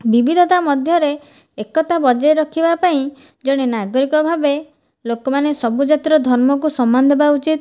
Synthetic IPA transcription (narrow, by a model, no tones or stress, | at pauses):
bibid̪ʱɔt̪amɔd̪ʱjɔɾeː | kɔt̪abɔd͡ʒɔeɾɔkʰibapaĩ | d͡ʒɔɽ̃enaɡɔɾikɔbʱabe | lokɔmanesɔbud͡ʒat̪iɾɔd̪ʱɔɾmɔk̬usɔmːand̪ebaut͡ʃit̪